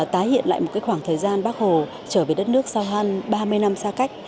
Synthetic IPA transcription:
t̪aː˨˦jhḭ˧˨ənla̰ː˧˨jo˨˩kaː˨˦jxwaː˧˩ŋt̪ʰəː˨˩jzaː˧nɓaː˦˥k̚ho˨˩ | t͡ɕəː˧˩veː˨˩ɗə˦˥t̚nɨ˦˥ək̚sa˧wɦə˧nɓaː˧mɨ˧əjna˧msaː˧ka˦˥jk̟̚

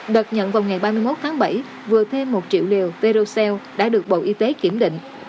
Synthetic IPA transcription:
ɗə˨˩t̚ɲə̰˧˨nvaː˨˩wŋa˨˩jɓaː˧mɨ˧əjmo˦˥t̚t̪ʰaː˨˦ŋɓə˧˩j | vɨ˨˩ət̪ʰe˧mːo˨˩t̚t͡ɕḭ˧˨əwli˨˩əwve˧ɾo˧sɛ˧wɗa̰ː˧˥ɗɨ˨˩ək̚ɓo̰˧˨ʔi˧t̪e˨˦ki˧˩əmɗḭ˧˨ŋ̟

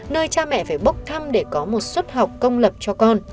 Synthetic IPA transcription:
nəː˧jt͡ɕaː˧mɛ̰˧˨faː˧˩jɓə˦˥k͡p̚t̪ʰa˧mɗe˧˩kɔ˨˦mo˨˩t̚swə˦˥t̚ɦa˨˩wk͡p̚kə˧wŋ͡mlə˨˩p̚t͡ɕɔ˧kɔ˧n

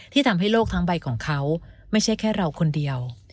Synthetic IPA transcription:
t̪ʰiː˥˩t̪ʰa˧mɦa˥˩jloː˥˩k̚t̪ʰa˦˥ŋba˧jkʰɔː˩˦ŋkʰa˦˥wma˥˩jt͡ɕʰa˥˩jkʰɛː˥˩ɾa˧wkʰo˧ndi˧əw

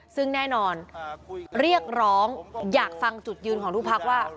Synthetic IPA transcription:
sɯ˥˩ŋnɛː˥˩nɔː˧n | ɾi˥˩ək̚ɾɔː˦˥ŋjaː˨˩k̚fa˧ŋt͡ɕu˨˩t̪̚jɯː˧nkʰɔː˩˦ŋt̪uː˥˩pʰa˦˥k̚waː˥˩

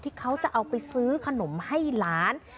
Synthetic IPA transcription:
t̪ʰiː˥˩kʰa˦˥wt͡ɕa˨˩ʔa˧wpa˧jsɯː˦˥kʰa˧no˩˦mha˥˩jlaː˦˥n

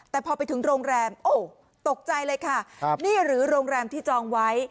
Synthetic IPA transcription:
t̪ɛː˨˩pʰɔː˧pa˧jt̪ʰɯ˩˦ŋɾoː˧ŋɾɛː˧mʔoː˧˩ | t̪o˨˩k̚t͡ɕa˧jlɤː˧jkʰa˥˩˧niː˥˩ɾɯː˩˦ɾoː˧ŋɾɛː˧mt̪ʰiː˥˩t͡ɕɔː˧ŋwa˦˥j

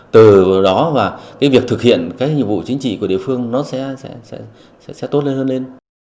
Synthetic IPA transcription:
t̪ɨ˨˩˨ɗɔ˨˦vaː˨˩kaː˨˦vi˨˩ək̚t̪ʰɨ˨˩k̚hḭ˧˨ənkaː˨˦k̚ɲḭ˧˨mvṵ˧˨t͡ɕï˨˦ŋ̟t͡ɕḭ˧˨ku˧˩əɗi˧˨fɨ˧əŋnɔ˨˦sɛ̰˧˥sɛ̰˧˥sɛ̰˧˥ | sɛ̰˧˥sɛ˧˥t̪o˦˥t̚le˧nhəː˧nle˧n

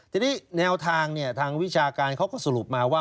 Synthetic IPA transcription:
t̪ɛː˨˩nʰiː˦˥˩nɛː˧wt̪ʰaː˧ŋni˥˩ɐt̪ʰaː˧ŋwi˦˥t͡ɕʰaː˧kaː˧nkʰa˦˥˩wkɔː˥˩sa˨˧lu˨˩p̚maː˧waː˥˩

